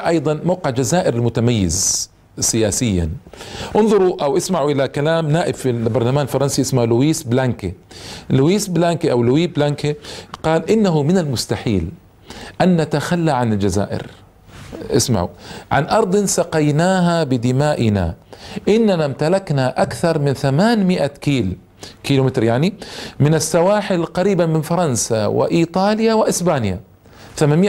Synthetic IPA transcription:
ʔɑjd̪ˤɑnmawqɪʕd͡ʒazaːʔɪɾɪlmʊt̪amajːɪ̰z | sɪjaːsɪjːa̰nʔʊnðˤʊɾˤʔawʔasmaʕuʔɪlakalaːmnaːʔɪbfilbɑɾˤlamaːnɪlfɑɾˤɑnsiʔɪsmaʕlʊwiːsblaŋkelʊwiːsblaːŋkiʔawlʊwiːblaːŋkeqɑːlʔɪnːaɦʊmɪnalmʊst̪aħiːl | ʔanːat̪axalːaʕanɪld͡ʒaza̰ːʔɪ̰ɾ | ʔɪ̰sma̰ʕṵʕa̰nʔɑɾˤd̪ˤɪnsɑqɑjnaːɦabɪd̪ɪmaːʔɪna̰ʔɪnːanamt̪alaknaʔakθɑɾˤmɪnθamaːnmɪʔakiːl | kiːlumɪt̪ɾjaʕnimɪnɪsːawaːħɪlqɑɾiːbamɪnfɑɾˤɑnsawɪ̰ʔiːt̪ˤɑːljawɪʔɪsbaːnja̰ | θamaːnmɪ

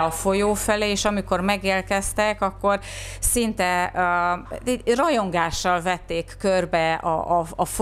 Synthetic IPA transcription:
ɒfo̞joːfɛleːʃɒmiko̞rmɛɡeːlkɛst̪ɛkɒkːo̞r | sint̪ɛ̰ | t̪ɛrɒjo̞ŋɡaːʃːɒlvɛt̪ːeːkːørbɛɒ̰ɒɒf

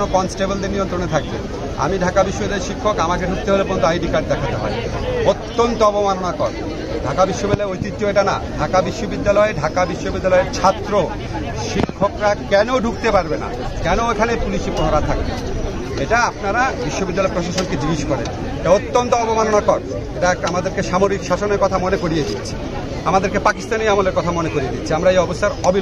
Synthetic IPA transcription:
nokɔnsʈebold̪eɾnijont̪ɾonet̪ʰak̚bḛ | a̰miɖʱakabiʃːobid̪eɾʃikʰːokamakeɖʱuk̚t̪eɦolepɔɾont̪uajɖikaʈ̚d̪ɛkʰat̪eɦɔ̰e | ot̪ːont̪oɔpomanonakɔɾ | ɖʱakabiʃːobid̪laeojt̪it̪ːoeʈana̰ɖʱakabiʃːobid̪ːalɔeɖʱakabiʃːobid̪ːalɔeɾt͡ɕʰat̪ːɾo | ʃikʰːokɾakɛnoɖʱuk̚t̪epaɾbena̰ | kɛnoekʰanepuliʃiponoɾat̪ʰak̚bḛ | eʈaapnaɾabiʃːobid̪ːalɔepɾoʃaʃonked͡ʑiɡiʃkɔɾḛn | eʈaot̪ːont̪oɔbomanonakɔɾ | eʈaɛk̚ʈamad̪eɾkeʃamoɾikʃaʃoneɾkɔt̪ʰamonekoɾijed̪it̪ːɕʰi̥ | amad̪eɾkepakist̪anejamoleɾkɔt̪ʰamonekoɾied̪itːɕʰiamɾaejɔbost̪aɾɔbi

